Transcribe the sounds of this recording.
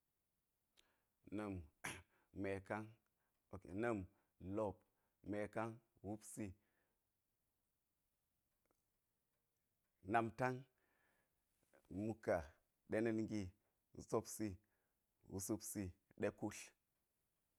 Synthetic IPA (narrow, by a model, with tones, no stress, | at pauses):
nə˨m | me˨ka˦ŋ | o˨kḛ˨nə˦m | lo˦p̚ | me˨ka˦ŋwu˦psi˦ | na˨mta˦ŋ | mu˦ka˨ | ɗe˦ne˦nŋɡi˦˨ | zo˦psi˦ | wṵ˦su˦psi˦ɗe˦ku˦ɬ